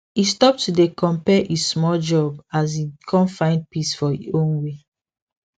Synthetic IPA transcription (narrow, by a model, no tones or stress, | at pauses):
istɔp̚tudekʰɔ̃mpɛʔismɔld͡ʒɔbas̬ikʰɔ̃nfãɪ̃nd̚pisfɔiõnwe